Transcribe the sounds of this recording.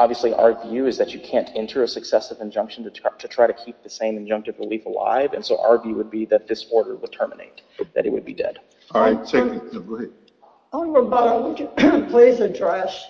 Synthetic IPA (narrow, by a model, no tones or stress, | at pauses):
ɑbviəsliʔa̰ə˞vjʉɨzðɨt͡ʃɨkʰæ̃ntʰɛ̃ntʰə˞ɨsɨksɛsʌvɨ̃nd͡ʒʌ̃ŋkʃn̩tɨtʰɨtʰɹ̥aɪɾɨkʰip̚ðɨsẽɪ̃mɨ̃nd͡ʒʌ̃ŋk̚tɨvɹɨlifəla̰ɪvɨ̰̃nsoʊʔə̰ə˞vjʉwəd̚biðɨt̪̚ðɪsɔɹɾə˞wəd̥̚tʰɜ˞mənḛɪt̪̚ðɨ̰ɾɨ̰t̚wɨ̰d̚bḭdɛ̰d̥ | aɪsɪ̃əɡɹi | wəbʌɾəwəd͡ʒɨpʰl̥eɪzɨtʰɹ̥æʃ